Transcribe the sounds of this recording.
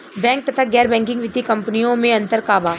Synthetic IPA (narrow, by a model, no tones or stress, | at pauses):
bɛ̃ːŋk̚t̪ɐt̪ʰaɡɛːɾbɛ̃ːŋkɪ̃ŋɡʋɪt̪ikɐ̃mpnijõmẽɐ̃nt̪əɾkaːbaː